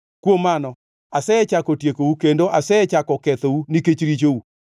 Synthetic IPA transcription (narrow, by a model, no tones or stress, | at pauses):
kwomanɔ | asɛɛt͡ʃakotjekoukendoʔasɛɛt͡ʃakɔkɛtɔuniket͡ʃiɾit͡ʃou